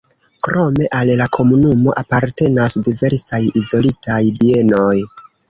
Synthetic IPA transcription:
kɾo̞me̞ʔallakʰo̞munumo̞ʔapaɾte̞nasdive̞ɾsajizo̞litʰajbie̞no̞j

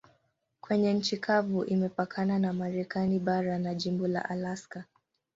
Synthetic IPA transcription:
kwɛɲɛɲ̩t͡ʃikʰavuʔimɛpakʰananamaɾɛkaniɓaɾanaʄimbɔla̰ʔalaska

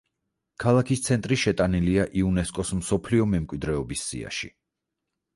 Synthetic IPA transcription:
kʰalˠakʰist̪sʰɛnt̪ʼɾiʃɛt̪ʼaniliaʔiunɛskʼɔsmsɔpʰliɔmɛmkʼwid̪ɾɛɔbisːḭa̰ʃḭ

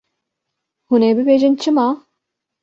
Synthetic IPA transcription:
huneːbɪbeːʒɪnt͡ʃʰɪmɑː

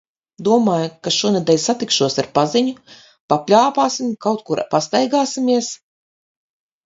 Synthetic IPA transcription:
d̪uɔmaːjukaʃuɔnɛd̪ʲɛːlʲsat̪ikʃuɔsaɾpaziɲu | papʲlʲaːpaːsimkawt̪kuɾa̰past̪ajɡaːsimiɛs

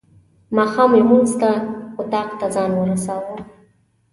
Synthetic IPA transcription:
maxamemunzt̪aut̪ɑqt̪ʰazɑnwəɾasawə

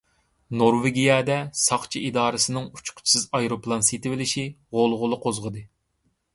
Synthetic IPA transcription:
noɾveɡʲijɑːd̪ɛsɑχt͡ʃʰiʔid̪ɑːɾɨsɨnɨŋu̥t͡ʃʰʊ̥qʰʊ̥t͡ʃʰi̥sɨzɑjɾoplˠɑnset̪ɪvɪlɪʃiʁolˠʁʊlˠəqʰozʁəd̪ɨ

